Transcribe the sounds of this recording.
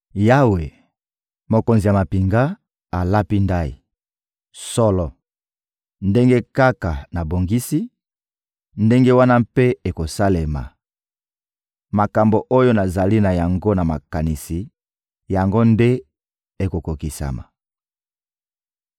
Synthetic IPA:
ja˦we˨ | mo˨ko˨nzi˨ja˨ma˨pi˨ŋɡa˦ | a˨la˦pi˦nda˦ḭ˨ | sɔ˦lɔ˨ | nde˦ŋɡe˦ka˦ka˨na˨bo˨ŋɡi˦si˦ | nde˦ŋɡe˦wa˦na˦mpe˦e˨ko˨sa˦le˨ma̰˨ | ma˨ka˨mbo˨ʔo˦jo˦na˨za˨li˦na˨ja˨ŋɡo˦na˨ma˨ka˨ni˨si˨ | ja˨ŋɡo˦nde˦ | e˨ko˨ko˨ki˨sa̰˨ma̰˨

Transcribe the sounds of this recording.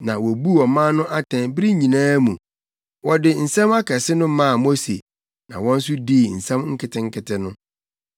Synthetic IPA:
nã˨wɔ˨bu˦ɔ˨mã˦nʊ̃˦ʔa˦tʰɛ̃˨nbɾi˦ɲĩ˨nãː˦mũ˨ | wɔ˨dɪ˨n̩˨sɛ̃˦ma˦kʰa˨sɪ˦nʊ̃˦mã˦a˨mo˦se˨ | nã˨wɔ̃˦n̩˦s̬ʊ˦diː˦˨n̩˨sɛ̃˦mŋ̩˦kʰɪ˨tʰɪ̃˦ŋ̩˦kʰɪ˨tɪ˦nʊ̃˦

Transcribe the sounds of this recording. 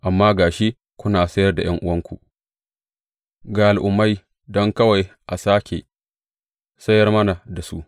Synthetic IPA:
ʔa˨mːaː˦ɡaː˨ʃi˦ | kʷʊ˦naː˨sɐ˦jɐ˦rda˨j̰ɐ˦ŋʔʊ˦wɐ˦ŋkʷu˨ʔ | ɡa˨ʔa˨lʔʊ˨mːa˦j | dɔ˦ŋkɐ˦wa˨jʔa˨saː˦kʲʰe˨ | sɐ˦jɐ˦rmɐ˦na˨da˨su˦ʔ

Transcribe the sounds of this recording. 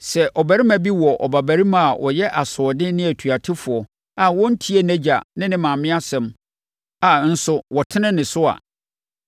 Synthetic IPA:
sɛ˨ʔɔ˨bæ˨ɾi˦mã˨bi˦wɔ˨ʔɔ̰˨ba˨bæ˨ɾi˦mã˨a˨wʔɔ̰˨jɛ˦ʔa˨sʊ˨ɔ˨dɪ˦nɪ̃˦æ˨tʰɥa˨tʰɪ˦fʊ˨ɔ˨ | a˨wɔ̃˦n̩˦tʰi˦e˦næ̃˦d͡ʑa˨nɪ̃˦nɪ̃˦mã˨mɪ̃˦a˦sɛ̃˨m | a˨n̩˦sʊ˦wɔ˨tʰɪ˦nɪ̃˦nɪ̃˨sʊ˦a̰˨

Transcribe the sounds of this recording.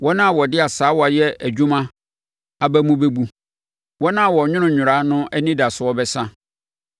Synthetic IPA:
wɔ˦nã˦a˨wɔ˨dɪ˦a˨saː˨˦wɔ˦a˨jɛ˦æ˨d͡ʑᶣu˦mã˦ | a˨bæ˦mũ˦be˦bu˦ | wɔ˦nã˦a˨wɔ˨ɲᶣʊ̃˦nʊ̃˨ɲᶣʊ̃˨ɾa˦nʊ̃˦ʔɛ˦nĩ˦da˨sʊ˨wɔ˦bɛ˦sã˦

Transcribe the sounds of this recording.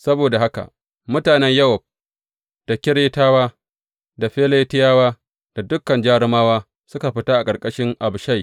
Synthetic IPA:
sɐ˦boː˨da˨ɦa˦ka̰˨ʔ | mʊ˦taː˨nɛ˦ɲjɐ˦wɔ˨b̚ | d̥a˨kʲɪ˦ɽeː˦taː˦waː˦ | da˨ɸeː˦le˦tɪ˦jaː˦waː˦ | d̥a˨dʊ˦kːɐ˨nd͡ʒaː˦ɽɪ˦maː˦waː˦ | sʊ˦ka˨ɸɪ˦taː˦ʔa˨kʼɐ˨ɾkʼɐ˦ʃɪ˦ŋʔa˨bʃa˦˨j

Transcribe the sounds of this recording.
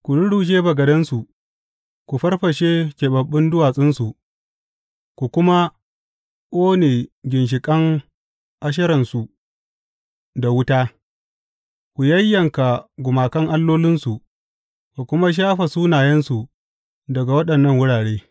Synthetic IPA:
kʷu˨ɽʊ˦ɽu˨ʃ̬eː˦bɐ˨ɡɐ˨dɐ˦nsu˨ | ku˨ɸɐ˦rɸɐ˨ʃeː˦kʲeː˨ɓɐ˨ɓːɪ˦ndʊ˦waː˨sʼɪ˦nsu˨ʔ | kʷu˨kʷʊ˦ma˦ | kʷʼoː˦neː˨ɡʲɪ˨nʃ̬ɪ˨kʼɐ˦ŋ | ʔa˦ʃ̬ɐ˦ɾɐ˨nsu˨ | da˨wʊ˦taː˦ | kʷu˨jɐ˦jːɐ˨ŋka˨ɡʷʊ˨maː˨kɐ˦ŋʔa˦lːoː˦lɪ˦nsu˨ʔ | ku˨kʷʊ˦ma˦ʃ̬aː˦ɸa˨suː˦naː˨jɐ˦nsu˨ | dɐ˨ɡa˨wɐ˦ɗɐ˨nːɐ˦ŋwʊ˦ɽaː˨ɽeː˦

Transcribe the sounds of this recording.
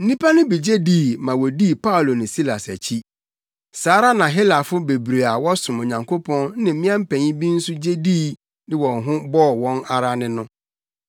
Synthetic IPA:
n̩˦nĩ˦pʰa˦nʊ̃˦bi˨d͡ʑe˦diː˦˨mã˨wɔ˨di˦˨pʰa˦u˨lo˨nɪ̃˨si˦la˨sæ˨t͡ɕʰi˦ | saː˨˦ɾa˦nã˨ɦɪ˦la˨fʊ˦be˨bɾe˨a˨wɔ˦sʊ̃˨mo˨ɲã˨ŋkʰo˦pʰɔ̃˦n˦nɪ̃˨m̩˦mɪ̃˦ã˦m̩˦pʰæ̃˨ɲĩ˦bĩ˦n̩˦sʊ˦d͡ʑe˦diː˦ | dɪ̃˦wɔ̃˨nɦʊ̃˦bɔ˦˨wɔ̃˦na˨ɾa˦nɪ̃˦nʊ̃˦

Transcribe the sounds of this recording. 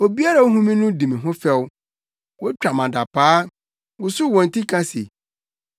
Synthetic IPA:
o˨bi˦a˦ɾa˨o˦ɦũ˦mĩ˦nʊ̃˦dĩ˨mĩ˨ɦʊ̃˦fɛ˦w | wɔ˦t͡ɕᶣa˨mã˨da˨pʰaː˦ | wʊ˨sʊ˦˨wɔ̃˨n̩˨tʰi˦kʰã˦sḛ˨

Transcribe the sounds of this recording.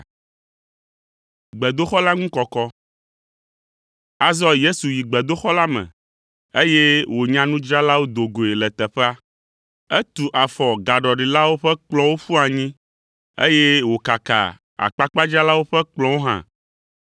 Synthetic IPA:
ɡ͡bɛ˨d̪o˦xɔ˦la˦ŋũ˦kɔ˨kɔ˦ | a˨zɔ˦je˦su˨ji˨ɡ͡bɛ˨d̪o˦xɔ˦la˦mɛ̰̃˨ | e˦je˦wo˨ɲã˦nũ˦d͡ʒɾa˦la˦wo˦d̪o˨ɡo˨e˨lɛ˨t̪ɛ˨ɸɛ˦a˦ | ɛ˦t̪u˨ʔa˨fɔ˨ɡa˨ɖɔ˨ɖi˨la˦wo˦ɸɛ˦k͡plɔ̃˦wo˦ɸu˦a˨ɲĩ˦ | ḛ˦je˦wo˨ka˨ka̰˨ | a̰˨k͡pa˦k͡pa˦d͡ʒɾa˦la˦wo˦ɸɛ˦k͡plɔ̃˦wo˦ɦã̰˦

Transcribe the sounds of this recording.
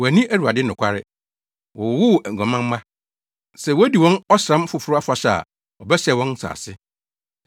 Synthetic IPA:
wɔ˨æ˨nĩ˦ʔæ˦ɾu˨a̰˨dɪ˦nʊ̃˨kʷʰa˦ɾɪ˦ | wɔ˨wʊ˦˨æ˨ŋ˨ɡʷã˨mã˦m˦mã˦ | sɛ˨wɔ˦di˨wɔ̃˦nɔ˦sã˦m˦fʊ˨fʊ˦ʊ˦a˦fa˨ɕa̰˨ | ɔ˨bɛ˦ɕɛ˨wɔ̃˦n˦sa̰ː˨sɪ˦

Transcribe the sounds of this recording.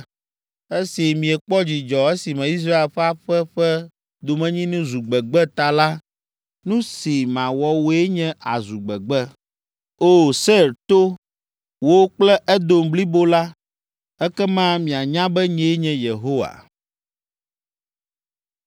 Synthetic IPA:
e˦si˨mĩ˨ɛ˨k͡pɔ˦d͡ʑi˨d͡ʒɔ˨e˦si˨mɛ̃˨i˦s̬ɾa˦e˨lɸa˦ɸɛ˦ɸɛ˦ | d̪o˨mɛ̃˨ɲĩ˦nũ˦zu˨ɡ͡bɛ˨ɡ͡bɛ˦t̪a˨la˦ | nũ˦si˨mã˨wɔ˨wo˨˦e˦ɲɛ̃˦ʔa˨zu˨ɡ͡bɛ˨ɡ͡bɛ˦ | o˦˨se˦˨ɾt̪o˦ | wo˦wo˦k͡plɛ˦ʔɛ˦d̪o˨mbli˦bo˦la˦ | ɛ˦kɛ˦mã˦mĩ˨a˨ɲã˦bɛ˦ɲɛ̃˦e˦ɲɛ̃˨je˨ɦo˦wa̰˨

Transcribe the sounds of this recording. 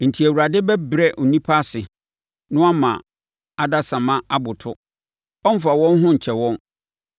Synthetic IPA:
n̩˨tʰi˨æ˨wu˨ɾa˨dɪ˦bɛ˦bɾɛ˦ʔʊ˨nĩ˦pʰa˦sɪ˨ | nʊ̃˦a˦mã˨ | a˨da˦sã˨mã˦a˦bʊ˨tʰʊ˦ | ɔ˦m̩˦fa˨wɔ̃˦n˦ɦʊ̃˦ɲ̩˨t͡ɕʰɛ˨wɔ̃˦n

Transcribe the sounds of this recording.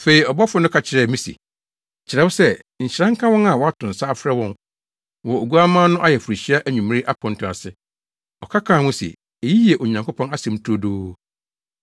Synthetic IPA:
fe˨i˨ɔ˨bɔ˦fʊ˨˦nʊ̃˦kʰa˨t͡ɕʰɪ˨ɾɛ˨mĩ˦sḭ˨ | t͡ɕʰɪ˨ɾɛ˦wʊ˦sɛ˦ | ɲ̩˨ɕɪ˨ɾã˦ŋ̩˦kʰã˦wɔ̃˦na˨wɔ˨˦a˦tʰʊ̃˨n̩˨saː˦fɾɛ˦wɔ̃˦n | wɔ˨o˨ɡu˦a˦mãː˦nʊ̃˦ʔa˦jɛ˨fu˨ɾi˨ɕi˦a˦ʔæ˦ɲũ˨mɪ̃˦ɪ˦ʔa˦pʰɔ̃˨n˨tʰʊ˨a̰˨sɪ˨ | ɔ˨kʰa˦kʰãː˨wʊ̃˦sḭ˨ | e˨ji˦ji˦e˨ʔo˨ɲã˨ŋkʰo˦pʰɔ̃˦na˦sɛ̃˨m˦tʰu˦o˦doː˦

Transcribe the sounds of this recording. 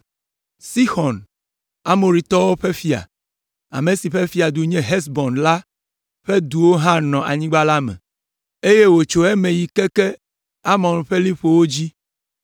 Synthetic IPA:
si˦xɔ˨n | a˨mo˨ɾi˨t̪ɔ˦wo˦ɸe˦fi˦a̰˨ | a̰˨mẽ˨si˨ɸe˦fi˦a˨d̪u˨ɲɛ̃˦ɦɛ˦s̬bɔ̃˨nla˦ | ɸe˦d̪u˨wo˦ɦã˦nɔ̃˨ʔa̰˨ɲĩ˦ɡ͡ba˦la˦mɛ̰̃˨ | e˦je˦wo˨t͡ʃo˨ɛ˦mẽ˨ji˨kɛ˦kɛ˦ | a˦mɔ̃˨n˨ɸe˦li˦ɸo˨wo˦d͡ʑi˦

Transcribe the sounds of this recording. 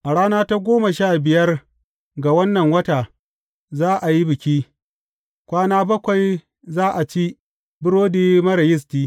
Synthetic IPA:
ʔa˨ɽaː˦naː˦ta˦ɡʷoː˦ma˨ʃaː˦˨bɪ˨jɐ˦r | ɡa˨wɐ˦nːɐ˨ŋwɐ˦taː˨ | zaː˦ʔa˨ji˦bɪ˨kʲiː˦ | kʷaː˦naː˦bɐ˦kʷa˨j | zaː˦ʔa˨t͡ʃi˦ | bɪ˦ɽoː˦diː˦mɐ˦ɾɐ˨jɪ˦s̬tiː˦

